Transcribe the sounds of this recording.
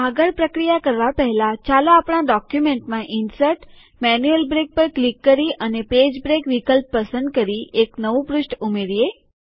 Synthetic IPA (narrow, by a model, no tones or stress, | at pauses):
aɡəɾpɾəkɾijakəɾʋapəɦɛlat͡ʃalõapɽ̃aɖɔkjumẽɳʈmãʔɪnsəɾʈ | mɛnjuelbɾek̚pəɾklikːəɾiʔəneped͡ʒbɾekʋikəlpːəsə̃nd̪̚kəɾiʔeknəʋũpɾʊsʈumeɾie